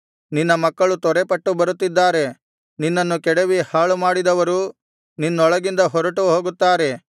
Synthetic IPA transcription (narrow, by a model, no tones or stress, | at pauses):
ninːɐmɐkːɐɭut̪ɔɾepɐʈːubɐɾut̪ːid̪ːaːɾe̞ | ninːɐnːukɛɽeʋihaːɭumaːɽid̪ɐʋɐɾu | ninːɔɭɐɡind̪ɐɦɔɾɐʈuɦo̞ːɡut̪ːaːɾe̞